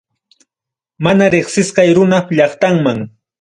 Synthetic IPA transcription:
manaɾeχsɪsqɑjɾʊnapʎɑχt̪aŋmaŋ

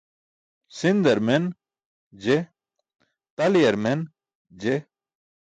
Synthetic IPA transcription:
sind̪ɐɾmen | d͡ʑe | t̪ɐlijɐɾmen | d͡ʑe

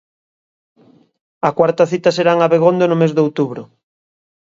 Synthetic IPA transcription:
ɐkwaɾt̪ɐθit̪ɐseɾaŋaβeɣond̪onʊmezðowt̪uβɾʊ

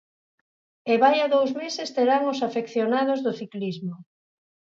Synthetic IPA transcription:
eβajaðowzmesest̪eɾaŋʊsafekθjonað̞ozðʊθiklizmo

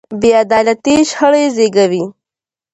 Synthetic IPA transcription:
bead̪ɑːlat̪iʃxəɽejzeɡawi

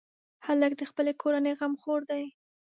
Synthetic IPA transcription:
haləkd̪əxpəlekʰoɾanəjɣamxoɾd̪aj

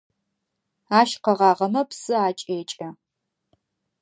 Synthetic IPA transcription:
aːʃqɐʁɑːʁɐmɐpsɨaːt͡ʃʼeːt͡ʃʼɐ

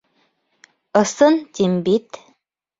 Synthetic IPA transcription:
ɤ̆sɤnt̪imbit̪

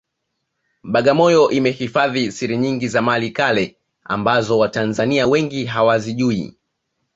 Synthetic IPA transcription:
ɓaɠamɔjɔʔimɛhifaðisiɾiɲiŋɡizamalikalɛ | a̰mbazɔwatanzaniawɛŋɡiɦawaziʄuḭ

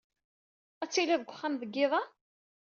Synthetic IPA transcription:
æt͡sːilæðəɡʷːəχːæmðəɡːɪðˤɑ

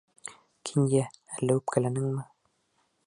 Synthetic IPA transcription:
kʰinjæælːæʉpkæ̆lænɘŋmɘ

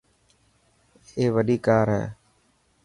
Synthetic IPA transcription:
eːʋəɗiːkaːɾɦɛ̰ː

